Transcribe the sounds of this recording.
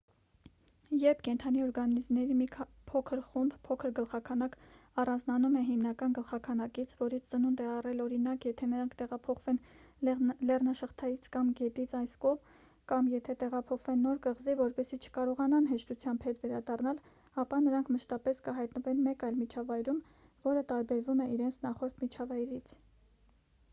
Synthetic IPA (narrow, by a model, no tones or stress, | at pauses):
jɛɾpʰkɛnt̪ʰɑniɔɾɡɑnizmnɛɾimi | pʰɔkʰəɾχumbpʰɔkʰəɾɡəlχɑkʰɑnɑkɑrɑnd͡znɑnumɛɦimnɑkɑnɡəlχɑkʰɑnɑkit͡sʰvɔɾit͡sʰt͡sənund̪ɛɑrɛlɔɾinɑkjɛt̪ʰɛnəɾɑŋkʰt̪ɛʁɑpʰɔχvɛn | lɛrnɑʃəχt̪ʰɑjit͡sʰkɑmɡɛt̪it͡sʰɑjskɔʁm | kɑmjɛt̪ʰɛt̪ɛʁɑpʰɔχvɛnːɔɾkəʁzivɔɾpɛsit͡ʃʰə̥kɑɾɔʁɑnɑnɦɛʃt̪ut͡sʰjɑmbhɛt̪vɛɾɑd̪ɑrnɑl | ɑpɑnəɾɑŋkʰməʃt̪ɑpɛskəɦɑjt̪nəvɛnmɛkɑjlmit͡ʃʰɑvɑjɾum | vɔɾət̪ɑɾbɛɾvumɛʔiɾɛnt͡sʰnɑχɔɾt̪ʰmit͡ʃʰɑvɑjɾit͡sʰ